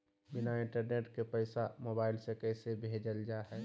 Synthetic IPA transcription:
bɪnaɪ̃ɳʈəɾneːʈkepəɪsamoːbaːɪlsekɛsebʱeːd͡ʒəld͡ʒaɦɛː

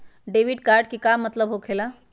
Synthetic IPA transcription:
ɖeʋiɖkaːɾɖ̚kikamːət̪ləbɦokʰela

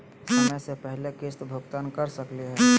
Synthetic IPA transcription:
sɐməjsepɛɦlekeːst̪bʱoːɡt̪aːnkɐɾsəkliɦɛː

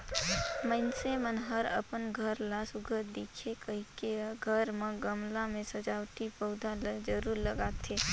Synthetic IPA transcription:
məɪnsemənɦəɾə̰pənɡʱəɾlasʊɡʱəɾd̪eːkʰekəɦikeɡʱəɾmẽɡəmlãmẽsəd͡ʒaːwt̪ipəʊd̪ʱaləd͡ʒəɾuːɾləɡaːt̪ʰe

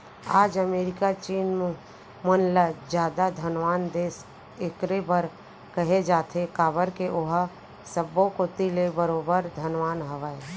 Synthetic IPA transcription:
aːd͡ʒəmeːɾɪkat͡ʃiːnm | mənlad͡ʒjaːd̪ad̪ʱənʋaːnd̪eːs | ekɾebəɾ | kəɦed͡ʒaːt̪ʰekaːbəɾkeʔʊɦa | səbõkot̪ilebəɾoːbəɾd̪ʱənʋaːnɦəʋaːe

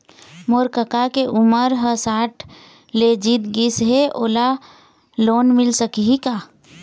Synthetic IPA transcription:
moːɾkəkakeʔʊməɾɦəsaːʈʰ | led͡ʒit̪ɡisɦeʔoːla | loːnmɪlsəkiɦikaː

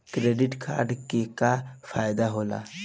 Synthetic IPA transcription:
kɾeɖiʈkʰa̰ɾɖkekafajd̪aɦola̰

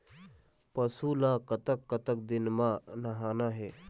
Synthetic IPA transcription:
pəsuːlãːkɐt̪əkːət̪ək̚d̪ɪnmãnɐɦaːnaɦeː

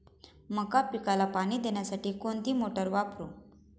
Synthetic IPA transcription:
məkapikalapaɽ̃iːd̪eɳjasaʈiːkoɳt̪iːmoʈəɾʋapʰɾu

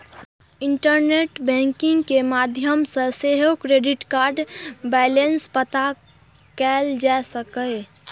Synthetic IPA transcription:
ɪɳʈəɾneːʈbɛ̃ŋkɪ̃ŋɡkemaːd̪ʱjəmsəseɦokɾeɖɪʈkaːɾɖbɛːlenspət̪a | kɛld͡ʒasəkəe

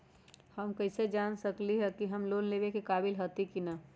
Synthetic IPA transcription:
həmkəɪsed͡ʒaːnsəkliɦɛkiɦəmloːnleːbekekaːbɪlɦət̪ikina

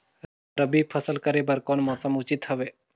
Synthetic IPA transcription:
ɾəbipʰəsəlkəɾebəɾkɔnmɔsəmut͡ʃit̪hɔbe

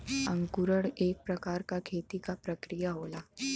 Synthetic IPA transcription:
əŋkuɾəɽek̚pɾəkaɾkakʰet̪ikapɾəkɾijaɦola

